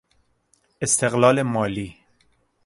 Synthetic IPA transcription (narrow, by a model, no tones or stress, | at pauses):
est̪ʰeɣlɒːlemɒːliː